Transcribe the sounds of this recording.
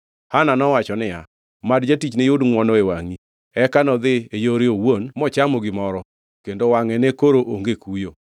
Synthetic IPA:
hananɔwat͡ʃɔnɪja̰ | madd͡ʒatit͡ʃnejodŋwɔnɔewaŋi | ɛkanɔd̪ɪejoɾeowonmɔt͡ʃamɔɡɪmɔɾɔ | kendowaŋɛnekoɾoʔoŋɡekujo

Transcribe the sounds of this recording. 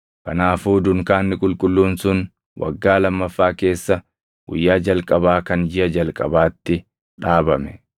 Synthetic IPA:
kɐnaːfuːd̪ʊŋkaːnːɪkʼʊlkʼʊlːuːnsʊn | wʔɐ̰ɡːaːlɐmːɐfːaːke̞ːsːɐ | ɡʊ̰jːaːd͡ʒɐlkʼɐbaːkɐnd͡ʒɪʔɐd͡ʒɐlkʼɐbaːt̪ːɪ | ᶑaːbɐmɛ̥

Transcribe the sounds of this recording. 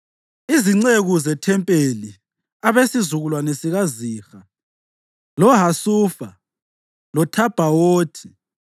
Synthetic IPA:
iziŋ͡ǀeɣuzɛtʰɛmpʼeli | aβesizuɣulwanesiɣaziːxa | lɔɦasuːfa | lɔtʰab̥ʱawoːtʰi̥

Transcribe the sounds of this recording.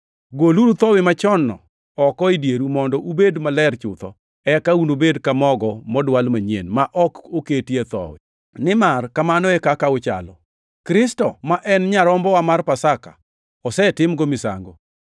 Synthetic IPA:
ɡoluɾut̪ɔwɪmat͡ʃɔnːɔ̰ | ɔkɔidjeɾumɔndɔʔubedmalɛrt͡ʃʊt̪ɔ̰ | ɛkaunobedkamɔɡɔmɔdwalmaɲḛnmaʔɔkoketiet̪ɔ̰wɪ̰ | nɪmarkamanɔɛkakaʊt͡ʃa̰lɔ̰ | kɾɪstɔmaʔɛnɲaɾɔmbɔwamarpasaka̰ | ɔsɛtɪmɡɔmɪsa̰ŋɡo̰

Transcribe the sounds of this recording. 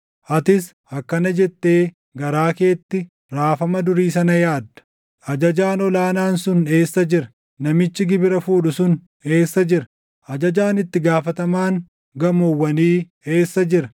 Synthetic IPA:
ʔɐt̪ɪs | ɐkːɐnɐd͡ʒɛt̪ːe̞ː | ɡɐɾaːke̞ːt̪ːɪ | ɾaːfɐmɐd̪ʊɾiːs̬ɐnɐjaːd̪ːɐ̥ | ʔɐd͡ʒɐd͡ʒaːnɔlaːnaːnsʊne̞ːsːɐd͡ʒɪɾɐ̥ | nɐmɪt͡ʃːɪɡɪbɪɾɐfuːᶑʊsʊn | e̞ːsːɐd͡ʒɪɾɐ̥ | ʔɐd͡ʒɐd͡ʒaːnɪt̪ːɪɡaːfɐt̪ɐmaːŋ | ɡɐmɔwːɐniː | e̞ːsːɐd͡ʒɪɾɐ

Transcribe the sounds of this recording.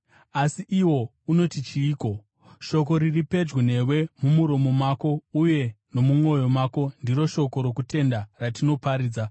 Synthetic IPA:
asiʔiwo̞ | uno̞tit͡ʃiːko̞ | ʃo̞k̬o̞ɾiripe̞d͡ʒɡwine̞we̞mumuɾo̞mo̞maːko̞uje̞no̞mumwo̞jo̞maːko̞ndiɾo̞ʃo̞ko̞ɾo̞kute̞ndaratino̞paɾiːd͡za

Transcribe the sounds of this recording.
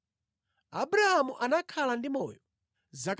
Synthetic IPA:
abuɾahamuʔanakʰalandimɔːjɔ | zak

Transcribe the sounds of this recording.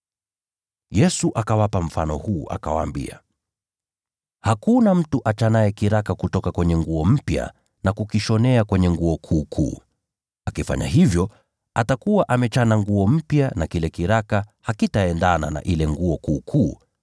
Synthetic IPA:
jɛsuʔakawapam̩fanɔ̰huːʔa̰ka̰wa̰ːmbḭa̰ | hakunam̩tuʔat͡ʃanaɛkiɾakakutɔkakwɛɲɛŋɡuɔm̩pja̰ | nakukiʃɔnɛakwɛɲɛŋɡuɔkʰuːkʰṵː | akifa̰ɲa̰hivjɔ | atakuwaʔamɛt͡ʃanaŋɡuɔm̩pjanakilɛkiɾakahakitaɛndana̰na̰ʔilɛŋɡuɔkuːkʰuː

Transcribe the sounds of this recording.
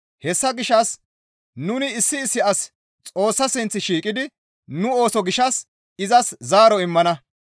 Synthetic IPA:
hɛsːɐɡɪʃːɐs | nʊnɪɪsːɪːsːɪɐs | t͡sʼo̞ːsːɐsɪnt͡sːɪʃiːkʼɪd̪ɪ | nʊo̞ːsɔɡɪʃɐs | ɪzɐszaːɾɔɪmːɐnɐ

